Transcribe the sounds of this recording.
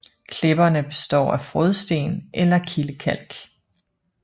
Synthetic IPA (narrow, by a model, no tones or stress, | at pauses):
kʰle̝b̥ɐnəb̥e̝sd̥ɒ̰ːæfʁɔð̞ˠsd̥e̝̰ːnʔelɐkʰiləkʰæl̰ɡ̥